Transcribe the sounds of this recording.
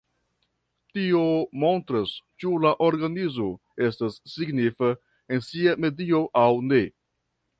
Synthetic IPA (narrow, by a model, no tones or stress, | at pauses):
tio̞mo̞ntɾast͡ʃulaʔoɾɡanizo̞ | e̞stasːiɡnifa | ensiame̞dio̞ʔawne̞